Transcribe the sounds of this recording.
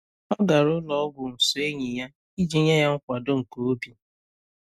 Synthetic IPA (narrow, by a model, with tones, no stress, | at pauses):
ɔ˦ɡa˨ɾʊ˦lɔ˦ɔ˦ɡʷʊ˨n̩˨sʊ˨e˦ɲi˨ja˦ | i˦d͡ʒi˦ɲa˦ja˦ŋ̩˦kʷa˨do˦ŋ̩˨ko˨o˦bi˨